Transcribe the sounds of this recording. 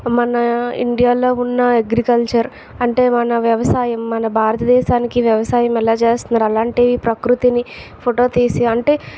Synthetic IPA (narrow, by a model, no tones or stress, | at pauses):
mɐnɐḭɳɖijaːlo̞ːunːɐeɡɾikɐlt͡ʃɐɾ | ɐɳʈe̞ːmɐnɐʋjɐʋɐsaːjɐmːɐnɐbʱaːɾɐt̪ɐd̪ɛːʃaːnikiʋjɐʋɐsaːjɐmɛlaːt͡ʃeːst̪unːaːɾɐlaːɳʈiːʋipɾɐkɾut̪inipʰoʈoːt̪iːsiɐɳʈe̞ː